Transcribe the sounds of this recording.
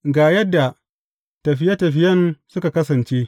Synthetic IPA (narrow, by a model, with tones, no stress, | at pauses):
ɡaː˨jɐ˦dːa˨ | tɐ˨ɸɪ˦jɐ˦tɐ˨ɸɪ˦jɐ˦nsʊ˦ka˨kɐ˦sɐ˨nt͡ʃeː˦